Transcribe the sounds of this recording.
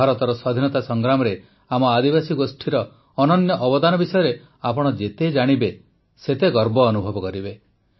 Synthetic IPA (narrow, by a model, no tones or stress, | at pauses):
aɾɔt̪ɔɾɔswad̪ʱinɔt̪asɔŋɡɾamɔɾe | amɔad̪ibasiɡosʈʰiɾɔː | nɔnjɔʔɔbɔd̪anɔbisɔjɔɾe | apɔɽ̃ɔd͡ʒet̪ed͡ʒaɽ̃ibe | set̪eɡɔɾbɔːnubʱɔbɔkɔɾibe